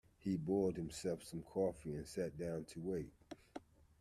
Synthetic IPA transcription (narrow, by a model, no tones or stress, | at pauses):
hibɔɹd̚hɨ̃m̩sɛlˠfsʌ̃mkʰɔfiɨ̃nsæt̚d̥ãʊ̃ntʰəweɪt̚